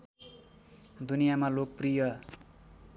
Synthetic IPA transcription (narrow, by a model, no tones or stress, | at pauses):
d̪unijamalok̚prijʌ